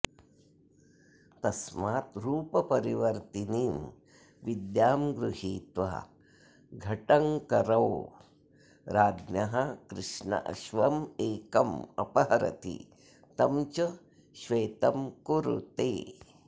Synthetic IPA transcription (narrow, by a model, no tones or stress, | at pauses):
t̪ɐsmaːt̪ɾuːpɐpɐɾiʋɐɾt̪iniːm | ʋid̪jaːmɡɾuɦiːt̪ʋa̰ | ɡʱɐʈɐŋkɐɾɐw | ɾaːd̪nɐɦɐkɾɪʂɳɐ̰ʔɐ̰ʃʋɐmeːkɐmɐ̰pɐɦɐɾɐ̰t̪ḭ | t̪ɐmt͡ʃɐ | ʃʋeːt̪ɐmkuɾṵt̪eː